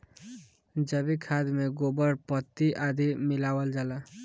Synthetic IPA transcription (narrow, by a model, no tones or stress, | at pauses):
d͡ʒəbikʰad̪meɡobəɽpɔt̪ːiʔad̪ʱimilawəld͡ʒala